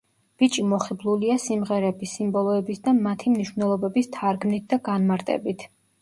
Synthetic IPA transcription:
b̥it͡ʃʼimɔχɛblˠuliasimʁɛɾɛbisimbɔlˠɔɛbisd̪amat̪ʰimniʃvnɛlˠɔbɛbist̪ʰaɾɡmnit̪̚d̪aɡanmaɾt̪ʼɛ̰bit̪ʰ

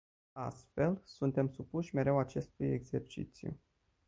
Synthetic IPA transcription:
a̰st̪fe̞lsunt̪e̞msupuʃʲme̞ɾe̞wat͡ʃe̞st̪ujḛɡze̞rt͡ʃḭt̪sijṵ

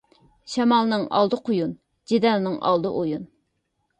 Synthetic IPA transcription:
ʃɛmɑlˠnɨŋɑ̰lˠd̪ɨqʰojun | d͡ʒid̪ɛlnɨŋʔɑ̰lˠd̪ɨʔojun

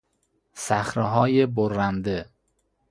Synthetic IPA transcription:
sæxɾeɦɒːjeboɾːænd̪e

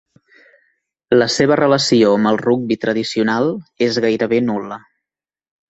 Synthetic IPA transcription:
ləseβərələsioəmbəlˠruɡ̚bit̪ɾəðisiunalˠezɣajɾəβenulə

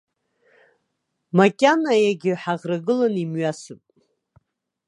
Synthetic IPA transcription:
makʲʼanajaɡʲɪħaʁraɡɨlanimɥasɨpʼ

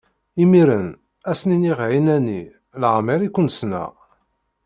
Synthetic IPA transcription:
imiɾən | æsniniʁʕinænḭ | lʕmiɾikʷːʊnsnæ̰

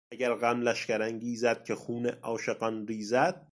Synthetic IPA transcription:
æɡæɾɣæmlæʃkæɾæŋɡiːzæd̪̥̚kʰʲexuːneʔɒːʃeɢɑnɾiːzæd̪̥̚

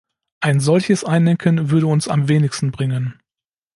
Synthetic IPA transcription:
ʔaɪnzɔlçəsʔaɪndɛŋkʰənvʏɐɾəʊnsa̰mveːnɪçstn̩bʁɪŋən

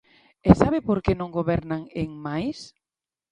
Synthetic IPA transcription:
ɛsaβɪpoɾkenõŋɡoβɛɾnaŋeŋmajs

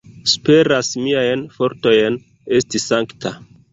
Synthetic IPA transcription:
spe̞ɾasmiajnfo̞ɾto̞jn | e̞stisaŋktʰa

